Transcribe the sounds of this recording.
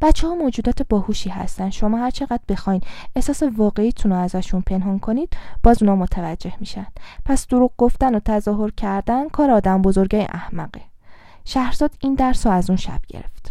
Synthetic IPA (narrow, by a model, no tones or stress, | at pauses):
b̥æt̪t͡ʃʰːehɒːmod͡ʒuːd̪ɒːt̪ʰebɒːhuʃiːhæ̰st̪ænd̪ʃomɒːhæɾt͡ʃʰe̞ɣæd̪̥̚be̞xɒːjnehsɒːse̞vɒːɣe̞iːt̪ʰunoæzæʃunpʰe̞nɦɒːnkʰo̞niːd̪̥b̥ɒːzuːnɒːmot̪ʰævæd͡ʒːe̞hmiʃændd̥pʰæsd̪̥oɾuːɡ̚ɡo̞ft̪ænot̪ʰæzɒːɦo̞ɾcʰæɾd̪ænkʰɒːɾeɒːd̪æmbozo̞ɾɟɒjḛʔæhmæɢe | ʃæhɾz̥ɒːd̪iːnd̪æɾsɔæzunʃæ̰b̥̚ɟḛɾḛft̪